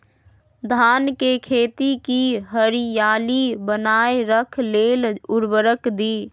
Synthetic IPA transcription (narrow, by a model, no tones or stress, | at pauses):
d̪ʱaːnkekʰeːt̪ikiɦəɾijaːlibənaːeɾəkʰleːlʊɾbəɾəkd̪iː